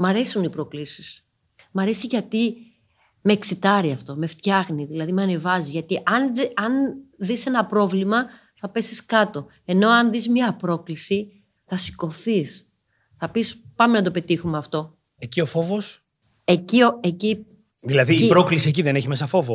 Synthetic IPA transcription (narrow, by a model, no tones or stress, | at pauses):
mɐɾe̞sunipɾo̞klisi̥s | mɐɾe̞siʝɐt̪i | meːksit̪ɐɾiɐft̪o̞me̞ft̪çɐxniðilɐðimeɐne̞vɐziʝɐt̪iʔɐnɐnðise̞nɐpɾo̞vlimɐ | θɐpe̞siskɐt̪o̞ | e̞no̞ɐnðizmɲɐpɾo̞klisi | θɐsi̥ko̞θis | θɐpispɐmenɐt̪o̞pe̞t̪ixumeɐft̪o̞ | ecio̞fo̞vos | ecioeci | ðilɐðiipɾoklisie̞c̬iðeneçimesɐfo̞vo